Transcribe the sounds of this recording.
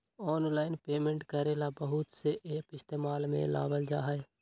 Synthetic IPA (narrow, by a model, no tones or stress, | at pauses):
ɔːnlaːɪnpeːmẽɳʈkəɾelabəɦʊt̪seʔeːpɪst̪eːmaːlmḛ̃la̰ːbəld͡ʒaːɦəe